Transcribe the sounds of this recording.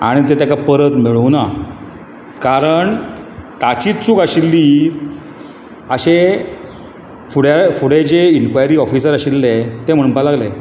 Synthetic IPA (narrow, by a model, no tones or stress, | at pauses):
a̰ɽ̃it̪et̪akapəɾət̪miɭuna | kaɾəɳt̪at͡ɕiːt͡suːkaɕilːiː | əɕe | fuɽefuɽed͡ʑeinkʋajɾiːɔfisəɾaɕilːet̪em̤əɽumpalaɡle